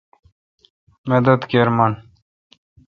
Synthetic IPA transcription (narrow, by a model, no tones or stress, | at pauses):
med̪ɐd̪keɾman